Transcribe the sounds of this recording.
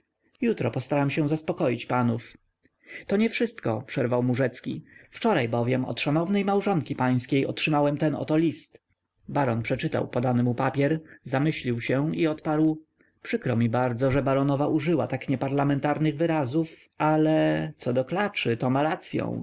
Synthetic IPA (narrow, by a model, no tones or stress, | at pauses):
jut̪ɾɔpɔst̪aɾamɕɛ̃zaspɔkɔjit͡ɕpanuf | t̪ɔɲɛfʂɘst̪kɔpʂɛɾvawmuʐɛt̪skʲḭft͡ʂɔɾajbɔvʲjɛmɔ̰t̪ʂanɔvnɛjmawʐɔŋkʲipaj̃skʲejɔtʂɘmawɛmt̪ɛnɔ̰t̪ɔlʲist̪ | baɾɔnpʂɛt͡ʂɘt̪a̰wpɔd̪anɘmupapʲjɛɾzamɘɕlʲiwɕɛiɔt̪paɾw | pʂɘkɾɔmʲibaɾd̪zɔʐɛbaɾɔnɔvaʔuʐɘwat̪akɲɛpaɾlamɛnt̪aɾnɘɣvɘɾazufalɛt̪sɔd̪ɔklat͡ʂɘt̪ɔmaɾat̪sʲjɔ̰̃w̃